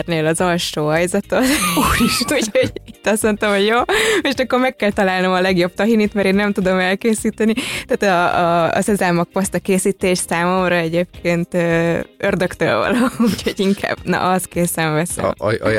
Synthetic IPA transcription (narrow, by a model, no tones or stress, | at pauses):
rneːlɒzɒlʃoːɦɒjzɒt̪ot̪uːɾiʃt̪uco̞ɟit̪ːɒsmont̪ɒmho̞ɟjoːmeʃɛkːormɛkːɛlt̪ɒlaːlno̞mɒlɛɡjo̞b̚t̪ɒɦinit̪mɛɾeːnːɛmt̪ud̪o̞mɛlkeːsiːt̪ɛnit̪ɛːt̪ɒ̰ːsɛzaːmɒk̚post̪ɒkeːsiːt̪eːʃsaːmo̞mrɒɛɟeːp̚kʰeːnt̪øːørd̪økt̪ø̰lvɒ̰loucho̞ɟiŋkʰa̰ːb̥nɒ̰ʔɒskeːsɛɱvɛsɛ̰